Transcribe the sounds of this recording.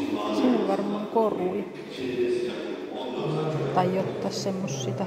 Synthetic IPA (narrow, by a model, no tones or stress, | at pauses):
siʋʋɑrmːɑŋkorui | t̪ɑijot̪ːɑssemːosːiːt̪ɑ